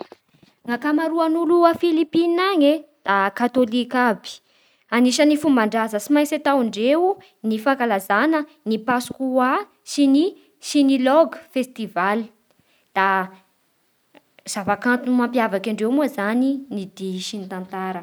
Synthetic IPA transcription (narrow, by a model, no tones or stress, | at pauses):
ŋakamaɾuanuluafilipinaŋed̪̥akat̪olikabi̥ | aniʃənifumbaɳɖ͡ʐazəsimajset̪awiɳɖ͡ʐeu | nifakalazanənipasu̥kuwa | sini | sinilɔɡfest̪ivali | d̪̥a | z̥avakant̪unmampjavakaɳɖ͡ʐewmuazaninid̪iʃinit̪ant̪aɾə